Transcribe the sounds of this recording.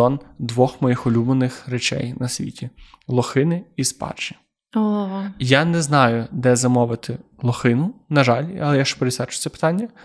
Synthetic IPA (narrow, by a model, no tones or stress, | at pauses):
ɔnd̪ʋɔxmɔjixɔlʲubnenɪxret͡ʃɛ̰jnɐsʲʋʲḭtʲilˠɔxɪnɪispɑ̰rt͡ʃi̥ | oɦjanɛznɑjʊd̪ɛzɐmɔʋɪt̪ɪlˠɔxɪnʊnɐʒɑlʲɐ̰lˠɛjaʃt͡ʃɔ̥peɾesɛt͡ʃʊ̥t͡s̪ɛpɪ̥t̪ɑnʲːɐ